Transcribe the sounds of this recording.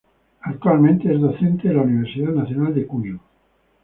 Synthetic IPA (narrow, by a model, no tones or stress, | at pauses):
akt̪ualmẽnt̪eɛzd̪oθent̪eðelauniβ̞eɾsit̪anaθjonald̪ekuɲu